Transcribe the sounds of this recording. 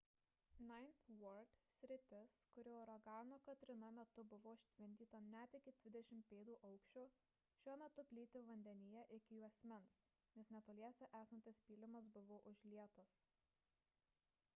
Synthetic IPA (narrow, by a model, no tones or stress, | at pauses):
nɑɪnʲt̪ʋɔɾd̪ʲsʲɾʲɪt̪ʲɪskʊɾʲoːɔɾɐɡɑːnoːkɐt̪ʲɾʲɪnɐmʲɛt̪ʊbʊʋoːɪʃʲt̪ʲʋʲɪnʲd̪ʲiːt̪ɐnʲæt̪ɪkʲɪd̪ʲʋʲɪd̪ʲɛʃʲɪmpʲeːd̪uːʔɐʊkʃʲt͡ʃʲoː | ʃʲuɔmʲɛt̪ʊpʲlʲiːt̪ʲɪʋɐnʲd̪ʲɛnʲɪjɛʔɪkʲɪjuːɐsʲmʲɛns | nʲɛsnʲɛt̪oːlʲiɛsʲɛʔæːsɐnt̪ʲɪspʲiːlʲɪmɐs̬bʊʋoːʔʊʒʲlʲiɛt̪ɐs